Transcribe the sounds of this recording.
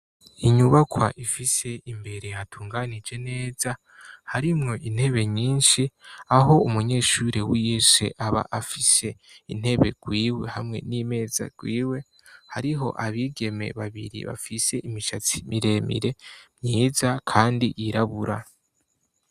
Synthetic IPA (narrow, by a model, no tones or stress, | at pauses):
iɲuβakwa̰ʔifise̞imbe̞ɾe̞jatʰuːŋɡanid͡ʒe̞ne̞ːz̥a | haɾimŋo̞ʔin̥he̞βe̞ɲiːnʃiaɦo̞umuɲe̞ːʃuɾewiesḛʔaβa̰ʔafise̞in̥e̞βe̞̰ɡ̥wiːwe̞hamŋe̞̰nime̞ːza̰ɡ̥wiːwe̞ | haɾiɦo̞̰ʔaβiːɡe̞me̞̰βaβḭɾḭβa̰fise̞ʔimiʃat͡simiɾe̞mḭɾe̞mɲiːzakʰaːndiʔiɾaβuɾʔa